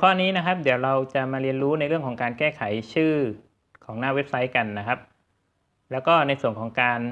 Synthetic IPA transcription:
kʰɔː˥˩niː˦˥na˦˥kʰa˦˥p̚d̪i˩˦əwɾa˧wt͡ɕa˨˩ʔmaː˧ɾi˧ənɾuː˦˥na˧jɾɯ˥˩əŋkʰːŋkaː˧nkɛː˥˩kʰa˩˦jt͡ɕʰɯː˥˩ | kʰɔː˩˦ŋnaː˥˩we˦˥p̚sa˦˥jka˧nːa˦˥kʰa˦˥p̚ | lɛː˦˥wkɔː˥˩na˧jsu˨˩əŋkʰɔː˩˦ŋkaː˧n

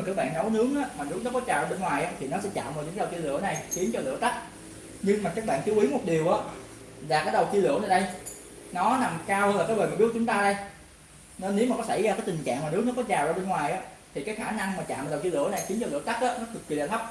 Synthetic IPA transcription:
kɨː˨˦˥k̚ɓa̰ː˧˨nnɔ˨˦wnɨ˨˦˥əŋʔaː˨˦maː˨˩nɨ˦ək̚nɔ˨˦kɔ˨˦t͡ɕaː˨˩aː˧˩ɓe˧nŋwaː˨˩jʔaː˨˧˦t̪ʰi˨˩nɔ˨˦sɛ̰˧˥t͡ɕa̰ː˧˨məː˨˩ɗnkːwt͡ɕi˧lɨ˧˨˧na˨˩jxi˨˦ənt͡ɕɔ˧lɨ̰˧˨ət̪a˦˥k̚ | ɲɨ˧ŋmaː˨˩kaː˦˥k̚ɓa̰ː˧˨nt͡ɕi˨˦wʔi˨˦mo˨˩t̚ɗi˨˩əwʔaː˨˦ | zaː˨˩kaː˨˦jɗə˨˩wt͡ɕi˧lɨ̰˧˩ənaː˨˩ɗə˧j | nɔ˨˦na˨˩mkaː˧whəː˧nla˨˩kaː˨˦jvəː˨˩maː˨˩ɓk̚t͡ɕʊ˨˦ŋ͡mt̪aː˧ɗə˧j | nɔ˨˦ne˨˦wmaː˨˩kɔ˨˦sa˧˩jzaː˧kaː˨˦jt̪i˨˩ŋ̟t͡ɕa̰ː˧˨ŋmaː˨˩nɨ˨˦ək̚nɔ˨˦kɔ˨˦t͡ɕaː˨˩wʔaː˧˩˧ɓe˧nŋwaː˨˩jʔaː˨˦t̪ʰi˨˩kaː˨˦jxaː˧˩na˧ŋmaː˨˩t͡ɕa̰ː˧˨m̚˨˩ɗə˨˩wt͡ɕi˧lɨ̰˧˨ʔna˨˩jxi˨˦ənt͡ɕɔ˧lɨ̰˧˨ət̪a˦˥k̚ʔaː˨˦nɔ˨˦t̪ɨ˨˩k̚wḭ˧˩la˨t̪ʰa˦˥k͡p̚

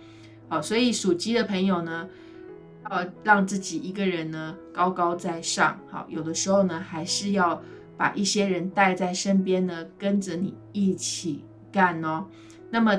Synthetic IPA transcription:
hɑ˨˩ʊswɔ˧˥i˨˩ʂu˨˩t͡ɕi˥d̪ə˨pʰə˧˥ŋjo˨˩ʊnə˦ | jɑ˥˧ʊɻɑ˥˧ŋt͡sɹ̩˥˩t͡ɕi˨˩i˧˥ɡə˨ɻə˧˦nnə˧kɑ˥ʊkɑ˥ʊt͡sa˥˧ɪʂɑ̰˥˩ŋhɑ̰˥˩ʊjo˨˩ʊd̪ə˦ʂɻ̩˧˥xo˥˩ʊnə˩xa˧˥ɪʂɻ̩˥˧jɑ˥˩ʊ | pa̰˨˩ʔi˥˩ɕjɛ˥ɻə˧˦nt̪a˥˧ɪt͡sa˥˩ɪʂə˥npjɛ˥nd̪ə˨kə˦˥nd͡ʒə˨ni˨˩i˥˩t͡ɕʰi˨˩ | ka˥˩nɔ˧ | na˥˩mə˨

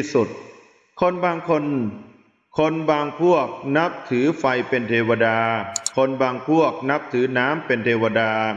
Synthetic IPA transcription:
su˨˩t̪̚ | kʰo˧nbaː˧ŋkʰo˧n | kʰo˧nbaː˧ŋpʰu˥˩ək̚na˦˥p̚t̪ʰɯː˩˦fa˧jpe˧nt̪ʰeː˧wa˧daː˧kʰo˧nbaː˧ŋpʰu˥˩ək̚na˦˥p̚t̪ʰɯː˩˦naː˦˥mpe˧nt̪ʰeː˧wa˧daː˧

